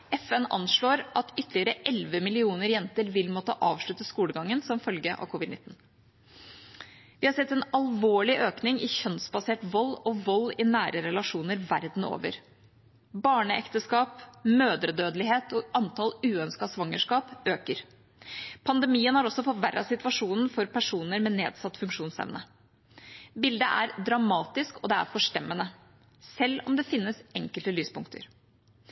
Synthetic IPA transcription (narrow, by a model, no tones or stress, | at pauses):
ɛfɛnɑ̰nʂɭoːɾʔɑt̪ʏt̪ːlɪəɾəʔɛlʋəmɪlɪuːnəɾjɛnt̪əɾʋɪlmɔt̪ːəʔɑːʋʂɭʉt̪ːəskuːləɡɑŋːənsɔmfœlɡəʔɑ̰ʋkʰʊʋɪd̪nɪ̰t̪ːn̩ | ʋɪhɑɾsɛt̪ːɛnɑlʋoːɭɪʔøːknɪŋɪçœnsbɑseːʈʋɔlːɔʋɔlːɪnæːɾəɾɛlɑʂuːnəɾʋæɾd̪n̩o̰ːʋə̰ɾ | bɑːɳəɛ̰kt̪əskɑːpmøːd̪ɾəd̪øːd̪əlɪheːt̪ɔɑnt̪ʰɑlʉːœnskɑsʋɑŋːəʂkɑːpøːkəɾ | pʰɑnd̪ɛmiːənhɑɾɔsːɔfɔʋæɾːʔɑsɪt̪ʋɑʂuːnn̩fɔɾpʰæʂuːnəɾmɛnḛːd̪sɑt̪ːfʉŋkʂuːnsɛ̰ʋnə | bɪld̪ə̰ʔæɾd̪ɾɑmɑːt̪ɪskɔd̪ɛæ̰ɾfɔʂʈɛmːənə | sɛlːɔmd̪ɛfɪnːəsɛŋkəlt̪əlyːspʊŋkt̪ʰə̰ɾ